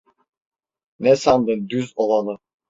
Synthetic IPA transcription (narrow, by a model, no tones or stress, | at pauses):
nɛsand̪ɯnd̪yzolˠanˠɯ